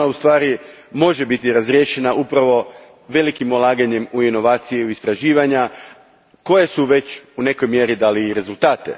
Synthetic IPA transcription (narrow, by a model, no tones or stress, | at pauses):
aust̪ʋaːɾi | mo̞ʒe̞bit̪iɾazɾje̞ʃe̞naʔupɾaʋo̞ | ʋe̞likimolˠaːɡaɲe̞muino̞ʋaːt̪sijeuist̪ɾaʒiːʋaɲa | ko̞je̞suʋe̞t͡ɕune̞ko̞jmje̞ɾid̪aːliːɾe̞zulˠt̪aːt̪e̞̰